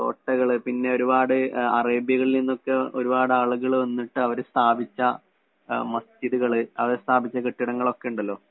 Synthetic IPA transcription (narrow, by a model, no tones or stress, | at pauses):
ko̰ːʈːɐɣɐɭɨpinːe̞oɾubaːɽɨɐreːbjɐɣɐɭilninːo̞kːe̞o̞ɾubaːɽɨaːɭuɣɐɭɐnːiʈːɨɐʋɐɾɨst̪ʰaːbit͡ɕːɐ | mɐst͡ɕiðuɣɐɭɨɐʋɐɾɨst̪ʰaːbit͡ɕːɐkiʈːiɽɐŋːɐɭo̞kːe̞uɳɖɐlːo̞ː